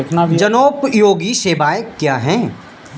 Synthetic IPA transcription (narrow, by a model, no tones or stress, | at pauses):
knad͡ʒɐnoːpjoːɡiʃeːbaːjekːjaːɦɛ̃ː